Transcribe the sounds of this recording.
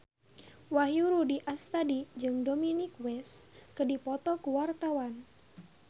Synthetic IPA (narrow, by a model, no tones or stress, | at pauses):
waɦjuɾudiʔast̪adid͡ʒɨŋdɔminikwɛskədipɔt̪ɔkuwart̪awan